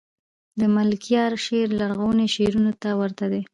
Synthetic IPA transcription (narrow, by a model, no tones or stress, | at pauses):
d̪əmalkijɑɾʃeɾlaɾɣawneʃeɾunot̪awəɾt̪ad̪e